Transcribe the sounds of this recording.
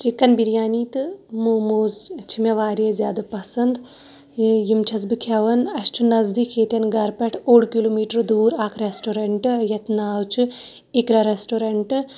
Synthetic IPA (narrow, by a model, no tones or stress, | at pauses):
t͡ʃikɐnbiɾjaːniːt̪ɨmuːmuːzt͡ʃʰimɐʋaːɾijezʲjaːd̪ɐpɐsɐnd̪ | jimt͡ʃʰɐs̬bɨkʰɐʋɐnɐst͡ʃʰunɐzd̪ikʰːeːt̪ɐnɡɐɾpɐʈʰoːɽkiloːmiːʈɐɾd̪uːɾaːkʰɾesʈoːɾeɳʈɨjɐt̪naːwt͡ʃʰɨ | ikɾaɾeːsʈoːɾeɳʈɨ